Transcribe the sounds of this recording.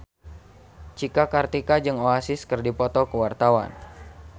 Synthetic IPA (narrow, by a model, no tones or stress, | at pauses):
t͡ʃikakart̪ikad͡ʒɨŋoasɪskərdipɔt̪ɔkəwart̪awa̰n